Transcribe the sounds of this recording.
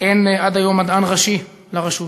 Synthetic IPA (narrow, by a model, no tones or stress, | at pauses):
ʔenad̪ajo̞mad̪anʁaʃi | laʁeʃu